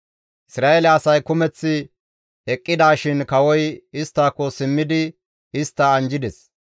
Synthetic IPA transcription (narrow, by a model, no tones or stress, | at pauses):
ʔɪsɾaːɛlɛɐsɐjkʊmɛt͡sːɪ | ɛkʼːɪd̪aːʃɪnkɐwɔjɪst̪ːaːkːɔsɪmːɪd̪ɪ | ɪst̪ːɐːnd͡ʒɪd̪ɛs